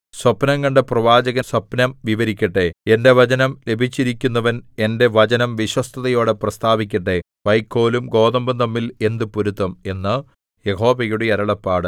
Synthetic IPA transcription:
swɐpnɐŋːɐɳɖeprɐʋaːd͡ʑɐɣɐswɐpnɐmʋiʋɐɾikʲːɐʈːee̞nde̞ʋɐd͡ʑɐnɐmle̞bʱit͡ɕːiɾikʲːunːɐʋɐne̞nde̞ʋɐt͡ɕɐnɐmʋiɕwɐst̪ʰɐðɐjo̞ːɽeprɐst̪aːbikʲːɐʈːe̞ | ʋɐjkːo̞ːlumɡo̞ːðɐmbɐt̪ɐmːile̞nd̪ɨpuɾut̪ːɐme̞nːɨ | jeho̞ːʋɐjuɽeɐɾɐɭɐpːaːɽɨ

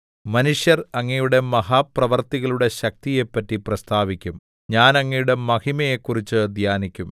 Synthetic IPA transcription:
mɐnuʂjɐrɐŋːɐjuɽe̞mɐɦaːprɐʋɐrt̪iɣɐɭuɽe̞ɕɐk̚t̪ije̞pːɐtːiprɐst̪ʰaːʋikʲːum | ɲaːnɐŋːɐjuɽe̞mɐhimɐjekːurit͡ɕːɨɐd̪ʱjaːnikʲːum

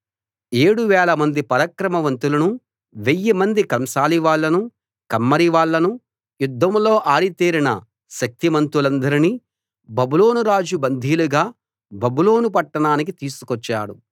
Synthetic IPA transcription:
e̞ːɽuʋɛːlɐmɐnd̪ipɐɾɐkɾɐmɐʋɐnt̪ulɐnu | ʋejːimɐnd̪ikɐmʃaːliʋaːɭːɐnu | kɐmːɐɾiʋaːɭːɐnu | jud̪ʱːɐmlo̞ːʔaːɽit̪iːɾinɐ̰ | ʃɐk̚t̪imɐnt̪ulɐnd̪ɐɾiniː | bɐbulo̞ːnuɾaːd͡ʒubɐnd̪ʱiːluɡaː | bɐbulo̞ːnup̬ɐʈːɐɳaːnik̬it̪iːsu̥kɔt͡ʃːa̰ːɽu

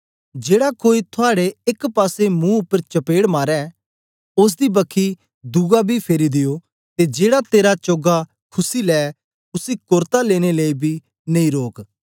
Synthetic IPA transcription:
d͡ʒeːɽakoːit̪ʰʊaːɽeɪkpaːsemũʊpːəɾt͡ʃɐpeːɽmaːɾɛ | ʊs̬d̪ibɐkʰi | d̪uɡabʱipʰeːɾid̪ɪjo | t̪ed͡ʒeːɽat̪eːɾat͡ʃoːɡa | kʰʊsilɛː | ʊsikʊɾt̪aleːɽ̃eleːibʱi | nɐĩːɾoːk

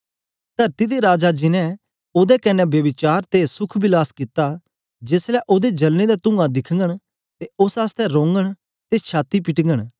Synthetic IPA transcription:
t̪ɐɾt̪id̪eɾaːd͡ʒad͡ʒɪnɛ̃ | oːd̪ɛkɐnɛbjɐbɪt͡ʃaːɾt̪esʊkʰbɪlaːskɪt̪a | d͡ʒeːslɛʔoːd̪ed͡ʒɐlned̪at̪ʊ̃ŋɡãd̪ɪkʰəŋɡəɽ̃ | t̪eʊsaːst̪ɛɾõːŋɡəɽ̃ | t̪et͡ʃʰaːt̪ipɪʈŋɡəɽ̃

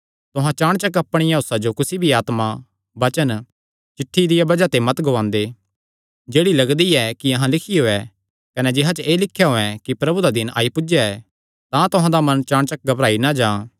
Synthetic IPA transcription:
t̪ʊɦãt͡ʃaːɽ̃t͡ʃɐkɐpɽ̃ɪjãɦʊsad͡ʒokʊsibʱiaːt̪ma | bɐt͡ʃən | t͡ʃɪʈʰːid̪ɪjabɐd͡ʒat̪emɐt̪ɡoʋãːnd̪e | d͡ʒeːɽilɐɡd̪iɛkiɐɦãlɪkʰijoːɛ | kɐnɛd͡ʒɪɦat͡ʃeːlɪkʰːjaɦoːɛ̃kipɾɐbud̪ad̪ɪnʔa̰ːipʊd͡ʒjaɛ | t̪ãt̪ʊɦãd̪amɐ̃nt͡ʃaːɽ̃t͡ʃɐk̚ɡɐbɾaːinad͡ʒãː

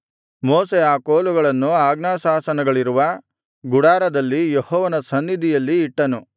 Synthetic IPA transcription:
moːseaːkoːluɡɐɭɐnːuaːɡnaːsaːsɐnɐɡɐɭiɾuʋɐ | ɡuɽaːɾɐd̪ɐlːijehɔːʋɐnɐsɐnːid̪ʱijɐlːiːʈːɐnu

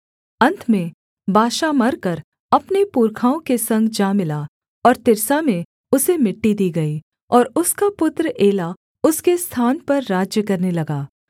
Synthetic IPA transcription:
ɐ̃nt̪ʰmẽ | bʱaːʃamɐɾkɐɾ | ɐpnepuːɾkʰaːõkesɐ̃ŋɡd͡ʒãːmɪla | ɔːɾt̪ɪɾsamẽ | ʊsemɪʈːid̪iːɡɐi | ɔːɾʊskapʊt̪ɾəʔeːla | ʊskest̪ʰaːnpɐɾːaːd͡ʒjəkɐɾnelɐɡaː

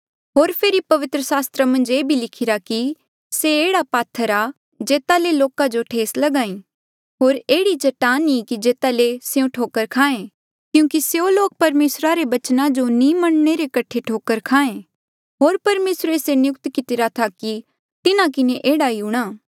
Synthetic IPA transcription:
ɦoːɾpʰeːɾipɐʋɪt̪ɾəsaːst̪ɾamɐ̃nd͡ʒeːbʱilɪkʰɪɾaki | seeːɽapaːt̪ʰːəɾa | d͡ʒeːt̪aleloːkad͡ʒoʈʰeːslɐɡãːĩː | ɦoːɾeːɽit͡ʃɐʈaːnĩkid͡ʒeːt̪aleseũʈʰoːkəɾkʰaːẽ | kjũːkiseoloːk̚pɐɾmeːsɾaɾebɐt͡ʃnãd͡ʒonĩmɐɳ̃ɽ̃eɾekɐʈʰeʈʰoːkəɾkʰaːẽ | ɦoːɾpɐɾmeːsɾesenjʊkt̪kɪt̪ɪɾat̪ʰaki | t̪ɪnãk̬ɪneʔeːɽaiuɽ̃aː

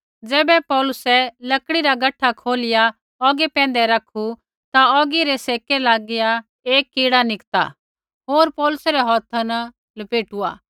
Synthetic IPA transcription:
d͡zɛːbɛpɔːlʊsɛlɐkɽiɾaɡɐʈʰːakʰoːlɪja | ɔːɡɛpɛ̃ːnd̪ɛɾɐkʰu | t̪aɔːɡiɾɛseːkɛlaːɡɪja | eːkːiːɽanɪkt̪a̰ | ɦoːɾpɔːlʊsɾɛɦɔːt̪ʰanɐ | lɐpeːʈua̰ː

